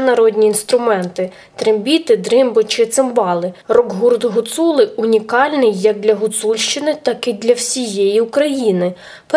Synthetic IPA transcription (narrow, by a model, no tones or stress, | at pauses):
nɐɾɔd̪ʲnʲiːnst̪ɾʊmɛnt̪ɪ | t̪ɾembʲit̪ɪd̪ɾɪmbʊt͡ʃɪt̪sɪmbɑlˠɪrɔɡɦurd̪ɦʊt̪sulˠɪʊnʲikɑlʲnɪjːɐk̚d̪lʲɐɦʊt̪sulʲʃt͡ʃɪnɪt̪ɑkɪd̪lʲɐwsʲijɛjiukɾɐjinɪ | p